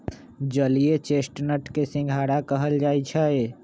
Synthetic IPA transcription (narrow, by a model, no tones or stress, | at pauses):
d͡ʒəliet͡ʃesʈnəʈkesɪ̃ŋɡʱaɽakəɦəld͡ʒaːjt͡ʃʰəe